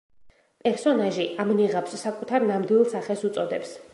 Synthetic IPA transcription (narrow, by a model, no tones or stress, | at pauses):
pʼɛɾsɔnaʒiʔamniʁapsːakʼut̪ʰaɾnamd̪wilˠsaχɛsut̪sʼɔd̪ɛps